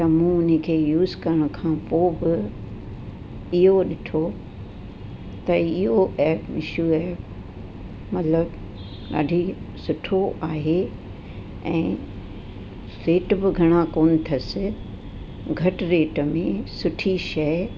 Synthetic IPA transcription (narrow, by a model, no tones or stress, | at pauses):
t̪ɐmũʊn̤̆kʰeːjuːzkɐɾəɽ̃ʊkʰãːpoːbɪ | ɪɦoɗɪʈʰo | t̪ɐɪɦoʔɛːpɪʃuɛː | mɐt̪ləb | ɗa̰ːɖʱisʊʈʰoʔaːɦe | ɛ̰̃ː | ɾeːʈbɪɡʱɐɽ̃akoːnɪ̆t̪ʰɐsɪ̆ | ɡʱɐʈɾeːʈmẽsʊʈʰiʃɐ